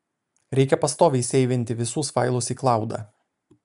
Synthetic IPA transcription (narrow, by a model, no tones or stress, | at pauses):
ɾʲɛɪkʲɛpɐst̪oːʋʲɛɪsʲɛɪʋʲɪnʲt̪ʲɪʋʲɪsuːsʋɑˑɪlˠʊsiːklˠɑˑʊd̪ɑ̰ː